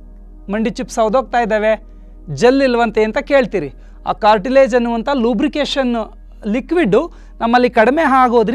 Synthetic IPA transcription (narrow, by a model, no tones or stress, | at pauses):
mɐɳɖit͡ʃipsɐʋd̪ʱoɡ̚t̪aːjd̪eːʋe | d͡ʒelːilːɐʋɐnt̪eːnt̪ɐke̞ːɭt̪iːɾi | a̰ːkaːɾʈileːd͡ʒɐnːuʋɐnt̪ɐluːbɾikeːʃɐn | likʋiɖːu | nɐmːɐlːikɐɽɐmeɦaːɡoːd̪ɾ